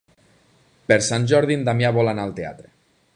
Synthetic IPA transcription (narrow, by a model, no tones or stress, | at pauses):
peɾsanʲʒɔɾðind̪amjaβɔlanaːlˠt̪ea̰t̪ɾe